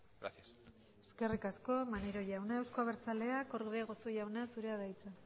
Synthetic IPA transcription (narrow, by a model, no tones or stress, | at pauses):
ɡɾa̰θias | e̥ske̞rikasko̞maneɾo̞ʝawnae̞wskoaβeɾt͡sale̞ako̞ɾɣβeɣo̞so̞ʝawnasuɾe̞aðajt͡sa